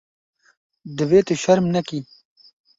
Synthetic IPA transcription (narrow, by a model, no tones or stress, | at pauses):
d̪əweːt̪eʃaɾmnɐki